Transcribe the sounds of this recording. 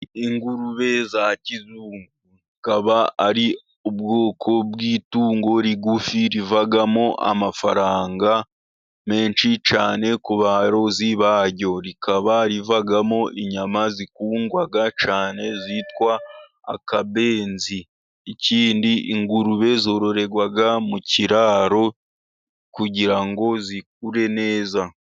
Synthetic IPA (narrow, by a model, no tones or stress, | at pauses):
iŋɡuɾuβe̞zacizuːŋɡuzikaβaaɾi | ubɡo̞ːkʰo̞bwiːtuːŋɡo̞ɾiɡufiɾivaɡamo̞ʔa̰mafa̰ɾaːŋɡa | me̞ːnʃit͡ʃaːne̞kuβaɾo̞ziβaɾɟo̞ɾikaβaɾivaɡamo̞ʔiɲamazikuːŋɡwaɡat͡ʃaːne̞zitwa̰ː | kabe̞ːnzi | iciːndiʔiŋɡuɾuβe̞zo̞ːɾoɾe̞ɡwaɡamuciɾaːɾo̞ | kuɟiɾaŋɡo̞zik̚uɾe̞ne̞ːza